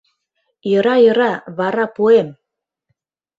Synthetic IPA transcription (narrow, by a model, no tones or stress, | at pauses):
jə̆ɾɑjɤ̆ɾɑβɑɾɑpuem